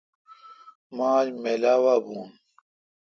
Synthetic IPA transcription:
maːd͡ʑmeːlaːwaːbuːn

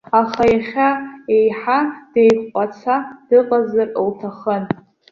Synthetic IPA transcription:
aχajaχʲae̞jħad̥ejkʷʼqʷʼat͡sʰad̥ɨqʼazarowtʰaχən

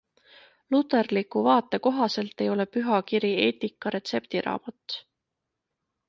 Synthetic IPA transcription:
lut̪ːˑe̞rlikːˑuvɑːt̪ːˑe̞ko̞ɦɑse̞lt̪ːˑe̞jo̞lepyɦɑkiɾie̞̰ːt̪ikːˑɑɾe̞t̪se̞pt̪iɾʔɑ̰ːmɑt̪ˑː

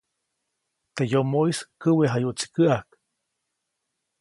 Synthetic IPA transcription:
t̪ejomoiskəweɦajuʔt͡si̥kəak

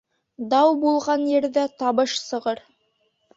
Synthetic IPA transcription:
d̪ɑwbulˠʁɑnjɘ̆ɾðæt̪ɑβɤʃsɤ̆ʁɤɾ

